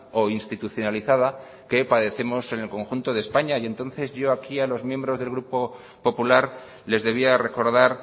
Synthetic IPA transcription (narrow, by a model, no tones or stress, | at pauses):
o̞inst̪it̪uθjo̞naliθað̞a | ke̞paðe̞θe̞mo̞se̞nelko̞ŋxunt̪o̞ðespaɲaje̞nt̪o̞nθe̞zʝo̞akialo̞zmjembɾo̞zðelɣ̞ɾupo̞ | po̞pulaɾ | le̞zðe̞βiare̞ko̞ɾð̞aɾ